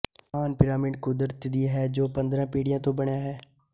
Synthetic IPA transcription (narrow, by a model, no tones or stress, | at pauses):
aːnpɪɾaːmɪɖkʊd̪ɾət̪d̪iːɦɛːd͡ʒoːpə̃nd̪ɾãːpiːɽɪjãːt̪õːbəɳjaːɦɛː